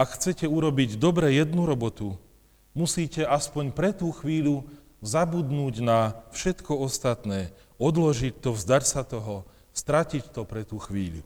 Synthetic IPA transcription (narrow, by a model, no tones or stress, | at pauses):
akxt͡sɛcɛuɾɔbiɟd̪ɔbɾɛjɛd̪nuɾɔbɔt̪u | musiːcɛʔaspɔɲpɾɛt̪uːxʋiːʎu | zabud̪nuːɟnafʃɛt̪kɔɔst̪at̪nɛː | ɔd̪lɔʒic̚t̪ɔvzd̪aɾsat̪ɔɦɔ | st̪ɾacict̪ɔpɾɛt̪uːxʋḭːʎṵ